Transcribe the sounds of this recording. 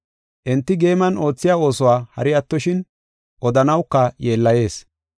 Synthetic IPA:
ʔɛnt̪ːɪɡeːmɐno̞ːt͡sːɪjaːo̞ːsɔwaːhɐ̰ɾɪɐt̪ːɔʃɪn | ʔɔd̪ɐnɐwkːɐje̞ːlːɐje̞ːs

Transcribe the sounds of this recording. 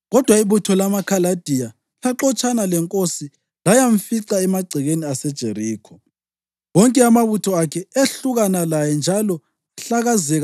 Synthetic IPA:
ɣɔd̥ʱwaiβutʰɔlamakʰalad̥ʱija | ɬaǁɔt͡ʃʼanalɛŋkʼosi | lajaɱ̩fiǀaɛmaɡ͡ǀʱiɣeniasɛd̥ʒ̥ʱeriːkʰɔ | wɔŋkʼɛamaβutʰɔakʰɛeɬuɣanalajɛnd͡ʒʱalɔ | aɬaɣazɛɣa

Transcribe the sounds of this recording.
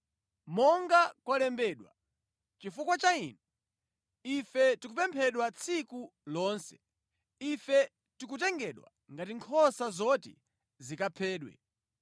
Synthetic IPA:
mɔŋɡakwalɛmbɛːɗwa̰ | t͡ʃifukwat͡ʃainɛ | ifɛtikupɛmpʰɛɗwat͡sʰikulɔːnsɛ̥ | ifɛ | tikutɛŋɡɛɗwa̰ | ŋɡatiŋkʰɔsazɔtḭ | zikapʰɛːɗwɛ̰

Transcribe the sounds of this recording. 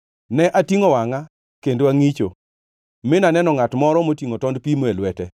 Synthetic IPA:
nɛʔatiŋowaŋa | kendoaŋit͡ʃo̰ | mɪnanɛnɔŋatmɔɾɔmotiŋotɔndpimelwɛtɛ

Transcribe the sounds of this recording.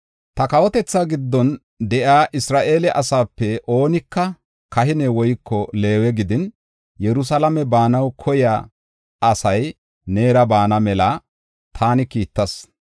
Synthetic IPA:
t̪ɐkɐwɔt̪ɛt͡sːaːɡɪd̪ːɔn | d̪ɛʔaːʔɪsɾaːʔe̞ːlɛʔɐsaːpːɛʔo̞ːnɪkːɐ | kɐhɪnɛwɔjkʰːɔle̞ːwɛɡɪd̪ɪn | jɛɾʊs̬ɐlɐmɛbaːnɐwkʰɔjaː | ɐsɐj | ne̞ːɾɐbaːnɐmɛlaː | t̪ʰaːnɪkiːt̪ːɐs

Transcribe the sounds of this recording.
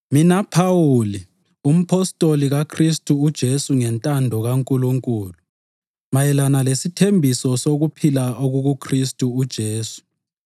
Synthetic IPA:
minapʰawuli | um̩pʰɔstʼoliɣakʰristʼuːd̥ʒ̥ʱesuŋɛntʼandʱɔɣaŋkʼuluŋkʼuːlu | majɛlanalesitʰembʱisɔsoɣupʰilaoɣuɣukʰristʼuːd̥ʒ̥ʱeːsu̥

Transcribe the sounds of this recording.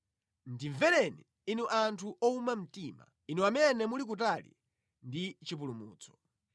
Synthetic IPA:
ndiɱvɛlɛni | inuʔantʰuʔɔumam̩tima̰ | inuamɛnɛmulik̬ut̬alḭ | ndit͡ʃip̬ulumuːt͡sʰɔ̥

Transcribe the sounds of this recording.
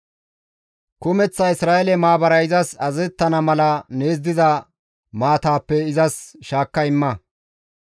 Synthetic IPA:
kʊmɛt͡sːɐɪsɾaːjɛlɛmaːbɐɾɐɪzɐsɐzɛt̪ːɐnɐmɐlɐne̞ːzd̪ɪzɐ | maːt̪aːpːɛɪzɐsʃaːkːɐɪmːɐ

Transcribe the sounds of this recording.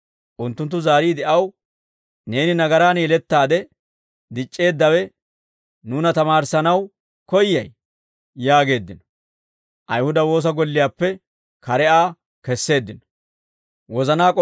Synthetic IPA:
ʔʊnt̪ːʊnt̪ːʊzaːɾiːd̪ɛʔɐw | ne̞ːnɪnɐɡɐɾaːnjɛlɛt̪ːaːd̪ɛ | d̪ɪt͡ʃʼːe̞ːd̪ːɐwɛ | nuːnɐt̪ɐmaːɾsɐnɐw | kɔjːɐj | jaːɡe̞ːd̪ːɪnɔ̥ | ʔɐjhʊd̪ɐwo̞ːs̬ɐɡɔlːɪjaːpːɛ | kɐɾɛʔaː | kɛsːe̞ːd̪ːɪnɔ̥ | wɔzɐnaːkʼɔ

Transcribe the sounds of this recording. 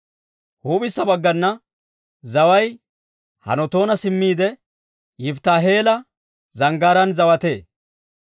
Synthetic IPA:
huːbɪsːɐbɐɡːɐnːɐ | zɐwɐj | hɐ̰nɔt̪o̞ːnɐsɪmːiːd̪ɛ | jɪft̪aːɦeːlɐ | zɐŋɡaːɾɐnzɐwɐt̪e̞ː

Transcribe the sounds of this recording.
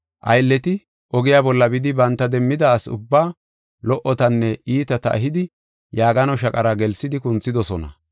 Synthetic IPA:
ʔɐ̰jlːɛt̪ɪ | ʔɔɡɪjabɔlːɐbɪd̪ɪbɐnt̪ːɐd̪ɛmːɪd̪ɐːsʊ̰bːaː | lɔʔɔt̪ɐnːɛiːt̪ɐt̪ɐ̰ʔɐ̰ɦɪd̪ɪ | jaːɡɐnɔʃɐkʼɐɾaɡɛlsɪd̪ɪkʊnt͡sːɪd̪ɔsɔnɐ̰

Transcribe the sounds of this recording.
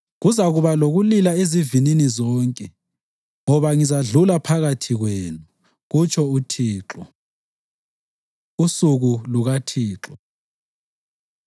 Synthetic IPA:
ɣuzaɣuβaloɣulilaezivininizɔːŋkʼɛ | ŋɔβaŋizaɮulapʰaɣatʰiɣweːnu | ɣut͡ʃʰʼɔutʰiːǁɔ | usuɣuluɣatʰiːǁɔ

